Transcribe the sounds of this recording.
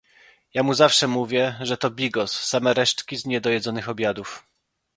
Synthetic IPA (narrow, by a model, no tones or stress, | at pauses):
jamuzafʂɛmuvʲjɛʐɛt̪ɔbʲiɡɔsːamɛɾɛʂt͡ʂkʲizɲɛd̪ɔjɛd̪zɔnɘxɔbʲjad̪uf